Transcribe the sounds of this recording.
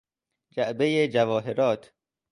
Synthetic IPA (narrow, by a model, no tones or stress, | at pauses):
d͡ʒæʔbejed͡ʒævɒːɦeɾɒːt̪ʰ